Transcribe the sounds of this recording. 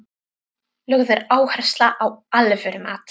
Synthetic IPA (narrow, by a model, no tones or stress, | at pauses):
lœɣðʏɾaːwhar̥st̪laʔawalvœɾʏmaːt̪